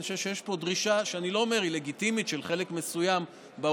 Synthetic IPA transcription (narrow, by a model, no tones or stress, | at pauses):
ʃeʃejeʃpo̞d̪ʁiʃaʃeanilo̞omeʁile̞ɡit̪imit̪ʃelχe̞lekme̞sujam | ba